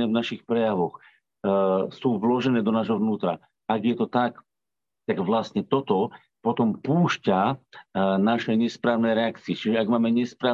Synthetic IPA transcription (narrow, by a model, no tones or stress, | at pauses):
ɛvnaʃixpɾɛjaʋɔx | suːʋlɔʒɛnɛːd̪ɔnaːʒɦɔʋnuːt̪ɾa̰ | aɡjɛt̪ɔt̪ak | t̪aɡʋlast̪ɲɛt̪ɔt̪ɔ | pɔt̪ɔmpuːʃca | naʃɛɲɛspɾaːʊnɛjɾɛakt͡siɛt͡ʃiʒɛaɡmaːmɛɲɛspɾaː